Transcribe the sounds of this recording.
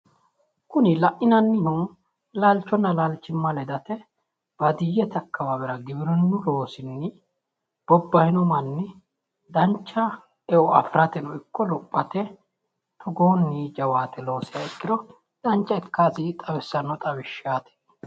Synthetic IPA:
kʊnɪlɐʔɪnɐnːɪnu | laːlt͡ʃːɔnːɐlaːlt͡ʃːɪmːɐlɛd̪ɐt̪ɛ | b̥ɐd̪ɪjːɛt̪ɐkːɐwabɛɾɐɡɪbɪɾɔnːʊlo̞ːsɪnːɪ | b̥ɔbːɐjɪnɔmɐnːɪ | d̪ɐnt͡ʃːɐ | ɛɔɐ̰fɾɐt̪ɛnɔɪkːɔlɔpʼːɐt̪ɛ | t̪ʰɔɡoːnːiːd͡ʒɐwaːt̪ɛlo̞ːsɪjɐɛkːɪd̪ɔ | d̪̥ɐnt͡ʃːɐɛkːaːsɪt̪ʼɐwɛsːɐnɔt̪ʼɐwɪʃːaːt̪ɛ̥

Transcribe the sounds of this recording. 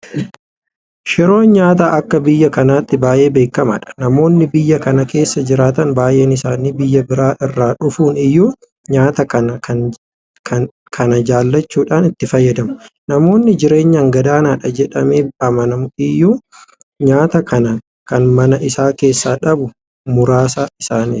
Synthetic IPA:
ʃɪɾo̞ːnɲaːt̪aːʔɐkːɐbɪjːɐkɐnaːt̪ːɪbaːje̞ːbe̞ːkːɐma̰ːᶑɐ̥nɐmo̞ːnːɪbɪjːɐkɐnɐke̞ːsːɐd͡ʒɪɾaːt̪ɐnbaːjʔeːnɪsaːniːbɪjːɐbɪɾaːʔɪrːaːᶑʊfuːnɪjːuː | ɲaːt̪ɐkɐnɐɐ | kʰ | kʰɐnɐd͡ʒaːlːɐt͡ʃːuːᶑaːnɪt̪ːɪfɐjːɐd̪ɐmʊ̥nɐmo̞ːnːɪd͡ʒɪɾe̞ːɲːɐŋɡɐd̪aːnaːᶑɐd͡ʒɛᶑɐmeːɐmɐnɐmʊɪjːuː | ɲaːt̪ɐkʰɐnɐ | kɐnmɐnɐʔɪsaːke̞ːsːaːᶑɐbʊ | mʊɾaːsaːɪsaːni

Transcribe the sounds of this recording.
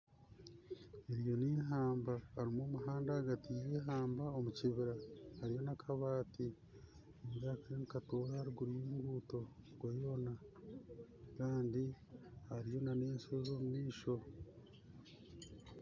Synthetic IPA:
eɾijo̞niːɦaːmbaːɾimo̞ːmuɦaːndaːɡatijeːɦaːmbaomuciβiɾahaɾijo̞nakʰaβaːti | ezakaɾenikatoːɾaaɾiɡuɾijiːŋɡuːto̞ɡwojo̞ːna | kaːndihaɾijo̞nane̞ːnsezo̞ːmumiːʃo̞

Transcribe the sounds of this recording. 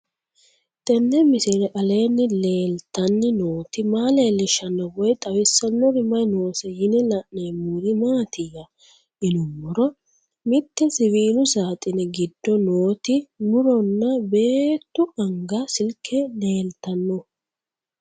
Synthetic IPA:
t̪ʼɛnːɛmɪsɪɾɛʔɐle̞ːnːɪle̞ːlt̪ːɐnːɪnoːt̪ɪmaːle̞ːlːɪʃɐnːɔwɔjt̪ʼɐwɪsːɐnːɔɾɪmɐjno̞ːsɛjɪnɛlɐʔneːmuːɾɪmaːt̪ɪjɐ | ʔɪnʊmːɔɾɔ | mɪt̪ːɛsɪviːlʊsaːt̪ʼɪnɛɡɪd̪ːɔno̞ːt̪ɪmʊɾɔnːɐbe̞ːt̪ːʊʔɐŋɡɐsɪlkʰːɛle̞ːlt̪ɐnːɔ

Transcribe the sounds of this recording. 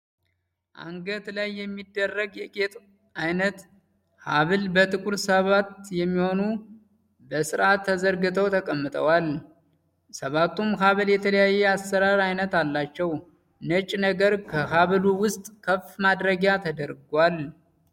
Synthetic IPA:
ʔa̰ŋɡət̪lajːɛmːid̪ːərːəɡjɛkʼet̪ʼ | ajnət̪ | haβɨlbət̪ʼɨkʼuɾsəβat̪jɛmːiho̞nu | bəsɨɾʔat̪ʰːəzəɾɡɨt̪ʰəwt̪ʰəkʼəmːɨt̪ʼə̰wal | səβat̪ːumɦaβɨljɛt̪ʰələjajːɛasːəɾaɾajnət̪alːat͡ʃːɛw | nət͡ʃʼnəɡəɾkʰəɦaβɨluwʊst̪ʼkʰəfmad̪ɾəɡjat̪ʰəd̪əɾɡwal

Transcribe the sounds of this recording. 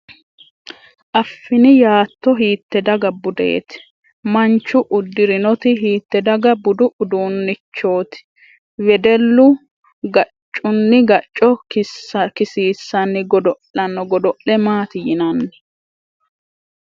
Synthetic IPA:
ʔɐfːɪnɪjaːt̪ːɔɦiːt̪ːɛd̪ɐɡɐbʊd̪ḛːt̪ɪ̥ | mɐnt͡ʃːʊʔʊd̪ːɪɾɪnɔt̪ɪɦiːt̪ːɛd̪ɐɡɐbʊd̪ʊʔʊd̪uːnːɪt͡ʃːo̞ːt̪ɪ̥ | wɛd̪ɛlːʊ | ɡɐt͡ʃʼːʊnːɪɡɐt͡ʃʼːɔkɪɐkɪsiːsːɐnːɪɡɔd̪ɔʔɐnɔɡɔd̪ɔʔlɛmaːt̪ɪjɪnɐnːɪ

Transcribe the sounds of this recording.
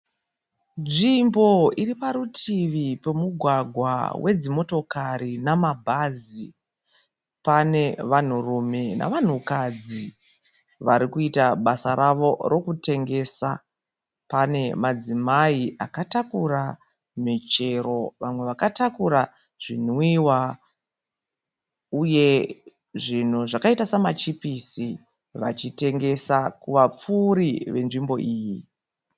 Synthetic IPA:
ʐimbo̞iɾipaɾutʰiʋipe̞muɡʱwaɡʱwa̰wʔe̞d͡zimo̞to̞kaɾinamabʱazi | pane̞ʋan̤urume̞na̰ʋan̤ukad͡zi | ʋaɾikuitaɓasaɾaʋo̞ro̞kute̞ŋɡe̞ːsa | pane̞mad͡zimaiʔakatakura | mit͡ʃe̞ɾo̞ʋamwe̞ʋakatakuɾa | ʐ̥in̤wiwa | uje̞ | ʐin̤uʐakaitasamat͡ʃipisi | ʋa̰t͡ʃite̞ŋɡe̞sakuʋap͡fuɾiʋe̞nʐimbo̞ʔiːji

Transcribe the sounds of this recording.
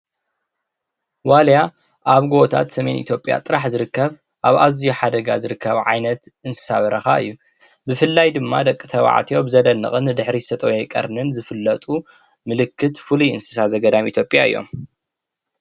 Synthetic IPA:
walja | ʔaβɡt̪ʰa̰t̪sɐme̞nʔḭt̪ʰjo̞pʼja̰t̪ʼɨɾaħzɨɾɨkːɐβ | ʔaβazijuħad̪ɐɡazɨɾɨkːɐβʕa̰jnɐt̪ʔɨnsɨ̥saβɐɾʔɐxa̰ɨ̰jːu | bɨfɨlːajd̪ɨmːad̪ɐkʼːɨt̪ʰɐβa̰ʕa̰t̪ʰijo̞bɨzɐd̪ɐnːɨ̰χʼɨnːɨd̪ɨħɾisɐt̪ʼɐwejkʼɐ̰ɾnɨnzɨfɨlːɐt̪ʼu | mɨlɨkːɨt̪fuluɨ̰nsɨ̥sazɐɡɐd̪amit̪ʰjo̞pʼjaɨ̰jːo̞̰m

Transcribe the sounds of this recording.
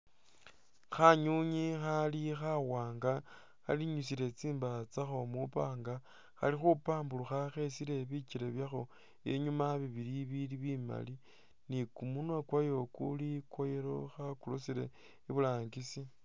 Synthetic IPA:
xaɲuɲixalixawaːŋɡa | xa̰liɲusile̞t͡siːmbat͡saxo̞mupaːŋɡa | xa̰lixupaːmbuluxaxe̞sile̞βiciɾeβjaxo̞ | je̞̰ɲumaβiβiliβiliβima̰li | nikumunwakwajo̞kulikwojeɾo̞xakulusiɾe̞ | iβulaːŋɡisi

